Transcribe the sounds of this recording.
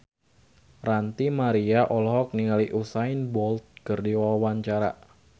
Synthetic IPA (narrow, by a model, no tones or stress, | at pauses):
rant̪imaɾiaʔɔlɔɦɔk̚niŋaliʔusaɪnbɔlt̪̚kərdiwawawaɲt͡ʃaɾa̰